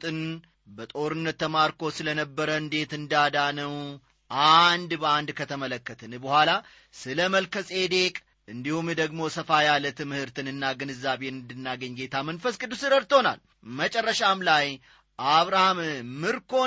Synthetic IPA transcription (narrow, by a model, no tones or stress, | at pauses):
t̪ʼɨn | bət̪ʼo̞ɾɨnːət̪ːəmaɾkʰo̞sɨlənəbːəɾəɨnd̪e̞t̪ɨnd̪ad̪anəw | ʔand̪bəand̪kʰət̪ʰəmələkːət̪ʰənbəhʷala | sɨləməlkʰəsʼe̞d̪e̞kʼ | ʔɨnd̪ihumd̪əɡmo̞səfajalət̪ɨmɨhɨɾt̪ʰɨnɨnːaɡɨnɨzːaβe̞nɨnd̪ɨnːaɡəɲːɡe̞t̪ʰamənfəskʼɨd̪ːusɨɾəɾt̪o̞na̰l | mət͡ʃʼərːəʃamlaj | ʔaβɾahammɨɾkʰo̞